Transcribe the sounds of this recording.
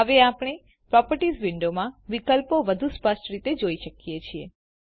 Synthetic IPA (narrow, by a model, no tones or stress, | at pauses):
ɦəʋeapɳ̃e | pɾɔpəɾʈisʋiɳɖomãʋikəlpoʋəd̪ʱuspəʃʈɾit̪ed͡ʒoiʃəkijet͡ʃʰie